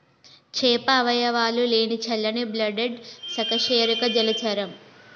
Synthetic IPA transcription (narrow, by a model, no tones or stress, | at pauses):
t͡ʃɛːpɐːʋɐjɐʋaːluleːnit͡ʃɐlːɐniblɐɖeɖsɐkɐʃeːɾukɐd͡ʒɐlɐt͡ʃɐɾɐm